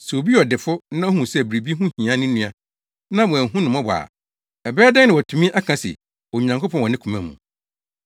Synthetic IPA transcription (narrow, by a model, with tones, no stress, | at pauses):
sɛ˨o˨bi˦ɔ˨dɪ˨fʊ˦nã˦ɔ˦hũ˨sɛ˦˨bɾi˨bi˦ɦũ˦hĩ˨ã˦nɪ̃˦nũ˦˨a˦ | nã˦wɔ̃˨æ̃˨ɦũ˦nʊ̃˨mɔ̃˦bɔ˨a̰˨ | ɛ˨bɛː˦dɛ˦nɪ̃˨wɔ˨tʰũ˨mĩ˦ʔa˦kʰã˨sɛ̰˨ | wɔ˨ɲã˨ŋkʰʊ˦pʰɔ̃˦wɔ˨nɪ̃˦kʰũ˨mã˨mṵ̃˨